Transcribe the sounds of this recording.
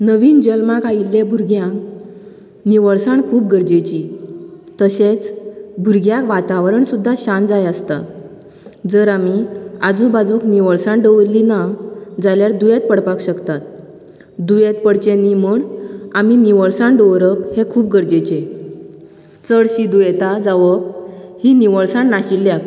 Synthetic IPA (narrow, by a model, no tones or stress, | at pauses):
nəʋiːnd͡ʑəlmakailːebʱuɾɡjãŋk | niʋəɭsaɳkʰuːp̚ɡəɾd͡ʑet͡ɕi | t̪əɕet͡sbʱuɾɡjakʋat̪aʋɾəɳsud̪ʱːaɕand͡zajəst̪a̰ | d͡zəɾamiad͡zubad͡zuːkniʋəɭsãɳɖəʋlinad͡zaljaɾd̪ujet̪̚pəɽpakɕəkt̪at̪̚ | d̪ujet̪̚pəɽt͡ɕenːimuɳamimiʋəɭsãɳɖəʋɾəphekʰuːp̚ɡəɾd͡ʑet͡ɕe | t͡səɽɕid̪ujet̪ad͡zaʋəb̚hiniʋəɭsaɳːaɕilːjak